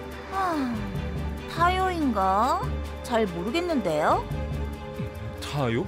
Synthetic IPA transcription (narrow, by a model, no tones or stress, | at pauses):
a | tʰajoinɡa | t͡ɕaɭmoɾɯɡe̞nːɯnde̞jo | tʰajo